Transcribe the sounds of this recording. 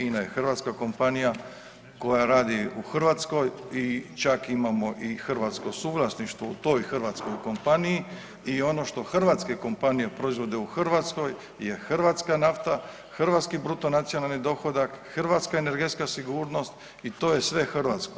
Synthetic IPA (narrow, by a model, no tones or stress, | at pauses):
iːnaje̞xrʋaːt̪skako̞mpanija | ko̞jaɾaːd̪iuxr̩ʋat̪sko̞jit͡ʃakimamo̞ʔixrʋat̪sko̞suːɡlˠasniʃt̪ʋout̪o̞jxrɾʋat̪sko̞jko̞mpaniji | io̞no̞ʃt̪o̞xrʋat̪skeko̞mpanije̞pɾo̞izʋo̞d̪euxrʋat̪sko̞j | je̞xrʋat̪skanaft̪a | xrʋat̪skibɾut̪o̞nat̪sijo̞nalnid̪o̞xo̞d̪akxrʋat̪skaene̞ɾɡet̪skasiɡuːɾno̞st̪ | it̪o̞ːje̞sʋe̞xrʋat̪sko